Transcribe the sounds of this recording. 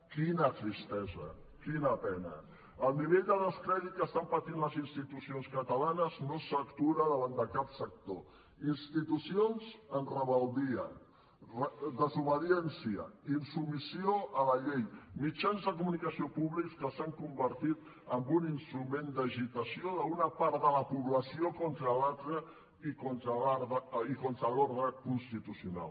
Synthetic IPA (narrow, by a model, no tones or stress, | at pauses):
kinət̪ɾist̪ɛzə | kinəpɛnə̰ | əlˠniβeʎd̪ələskɾɛðit̪̚kəst̪ampət̪inləzinst̪it̪usionskət̪əlanəznosəkt̪uɾəðəβand̪əkapsək̚t̪o | inst̪it̪usionzənrəβəlˠd̪iə̰n | rəðəzuβəðiɛnsiə̰insumisioələʎejmit͡ʃanzðəkumunikəsiopuβlikskəsaŋkumbəɾt̪it̪ | əmbuninst̪ɾumend̪əʒit̪əsioðəunəpaɾt̪d̪ələpuβləsiokɔnt̪ɾəlalˠt̪ɾə | ikont̪əaɾðəikont̪ɾəloɾðɾəkunst̪it̪usiuna̰lˠ